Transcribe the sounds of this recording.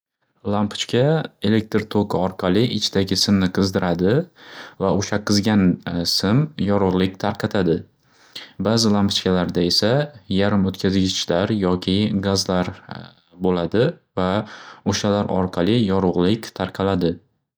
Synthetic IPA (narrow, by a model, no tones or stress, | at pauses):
lˠampʰʊ̥t͡ʃkʲae̞le̞k̚ʲt̪ɾt̪ʰoqʰɨɒɾqʰɑlˠɪʔɪt͡ʃʰɪd̪aɡʲɪsɪmnɪqʰɨzd̪ɪɾʔad̪ɪvaoʃaqʰɨzɡʲansɪmjɒɾʊʁlˠɪkʲt̪ʰaɾqʰɑt̪ʰad̪ɪ | bazɪlˠampʊ̥t͡ʃkʲalaɾd̪ae̞sajaɾɪmot̪kʲʰazɡʲɪt͡ʃʰlaɾjɒkʲʰɪɡazlaɾ | bolad̪ɪvaoʃalaɾɒ̰ɾqʰɑlˠɪjɒɾʊʁlɪkʲt̪ʰaɾqʰɑlad̪ɪ